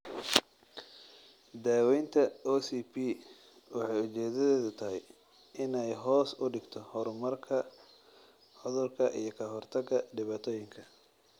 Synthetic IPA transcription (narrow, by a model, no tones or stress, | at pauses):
d̪aːwɛjnt̪ʰɐɔsipʰi | wɑħɑjʊt͡ʃɛːðɐðɛːðʊt̪ʰɐɦɛj | ʔɪnɛjɦɔːsʊɖɪɡt̪ʰɔhɔɾmɐrkʰɐ | ʕʊðʊrkʰɐʔḭjɞkʰɐɦɔrt̪ʰɐɡɐɖɪβaːt̪ʰɔːjɪŋkʰɐ